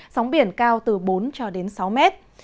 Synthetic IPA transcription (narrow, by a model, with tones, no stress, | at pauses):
sa˨˦wŋ͡mɓi˧˩ənkaː˧wt̪ɨ˨˩ɓo˨˦nt͡ɕɔ˧ɗe˨˦nsa˨˦wmɛ˦˥t̚